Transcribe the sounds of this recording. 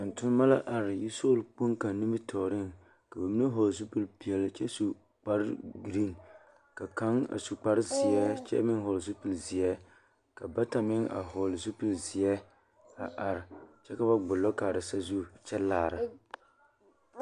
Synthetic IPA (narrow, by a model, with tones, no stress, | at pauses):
n̩˨tʊ˦n˦ma˦la˦ʔa˨ɾɪ˨ji˦so˦lk͡po˦ŋka˨n˦nɨ˦mɨ˦tʰɔ˨ɾɪ˦ŋ | ka˨ba˨mi˦nɨ˦ɦo˨lzu˦pɨ˦lpi˨ɛ˨lt͡ʃɛ˦su˨ | k͡pa˦ɾɪ˦ɡɾi˦l | ka˨ka˦ŋa̰˨su˨k͡pa˨ɾɪ˦zi˨jɛ˦t͡ʃɛ̰˦mɪ˦ŋ˦ɦo˨lzu˦pɨ˨lzi˨ɛ˦ | ka˨ba˦ta˨mɪ˦ŋa̰˨ɦo˨lzu˦pɨ˦˨lzɪ˨ɛ˦ | a˨ʔa˨ɾɪ˨t͡ʃɛ˦ka˨ba˦ɡ͡bʊ˨lːɔ˦ka˨ɾɨ˨sa˦zu˦˨t͡ʃɛ˦laː˨ɾɨ˨